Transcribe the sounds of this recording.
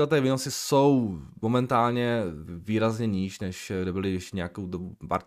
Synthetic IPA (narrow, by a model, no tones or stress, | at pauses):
ɛt̪ɛːvɪnosɪso̞wmomɛnt̪aːlɲɛviːɾazɲɛɲiːʃnɛʃɡdɛbɪlɪjɛʃcɛɲɛjakowdobupa̰ɾ